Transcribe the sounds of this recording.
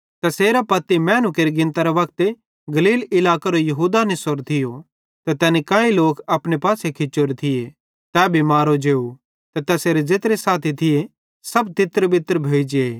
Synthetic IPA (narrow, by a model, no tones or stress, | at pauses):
t̪ɛseːɾapɐt̪imɛ̃ːnʊkeɾiɡɪ̃nt̪aɾeʋɐk̚t̪e | ɡɐliːlɪlaːkaɾojɐɦuːd̪anesoɾt̪ʰɪjo | t̪ɛt̪ɛːnikãːĩloːkɐpɽ̃epaːsekʰɪt͡ʃʊɾt̪ʰɪje | t̪ɛːbʱimaːɾod͡ʒeːu | t̪ɛt̪ɛːseːɾed͡ʒet̪ɾesaːt̪ʰit̪ʰɪje | sɐb̚t̪ɪt̪ɾbɪt̪əɾbʱoːid͡ʒeeː